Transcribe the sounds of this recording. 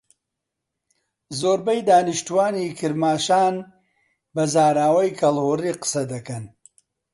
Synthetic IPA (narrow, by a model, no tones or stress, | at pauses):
zoːɾbɐjd̪aːnɨʃt̪uwaːnikʰɨɾmaːʃaːn | bɐzaːɾaːwɐjkʰɐlhoːriːqɨ̥sɐd̪ɐkɐn